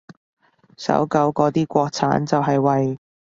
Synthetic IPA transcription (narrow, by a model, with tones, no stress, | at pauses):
sɐ̰˨˥wkɐ˨˥wkɔː˨˥t̪iː˥kʷɔː˧k̚t͡sʰaː˨˥nt͡sɐ˨wɦɐ˨jwɐ˨j